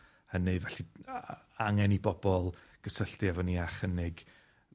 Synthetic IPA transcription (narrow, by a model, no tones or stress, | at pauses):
hənɨvɛɬi | aŋɛnibɔbɔlˠɡ̥əsəɬtjavɔniaχənɪɡ